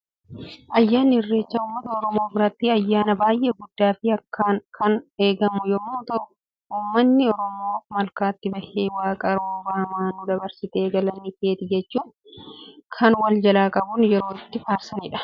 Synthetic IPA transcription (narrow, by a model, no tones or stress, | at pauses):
ʔɐjːaːnːɪhɪrːe̞ːt͡ʃːaːuːmːɐt̪ɐɔɾɔmo̞ːbɪɾɐt̪ːiɐjːaːnɐbaːjʔeːɡʊd̪ːaːfɪɐkʰːaːnkʰːɐneːɡɐmʊjɔmoːt̪ɐ | uːmːɐnːɪɔɾɔmoːfmɐlkaːt̪ːɪbɐheːwaːkʼɐɾoːbaːmaːnud̪ɐbɐɾsɪt̪eːɡɐlɐnːikeːt̪ɪd͡ʒɛt͡ʃːuːn | kʰɐnwɐld͡ʒɐlaːkʼɐbʊnjɛɾo̞ːɪt̪ːɪfaːɾsɐnɪᶑɐ̥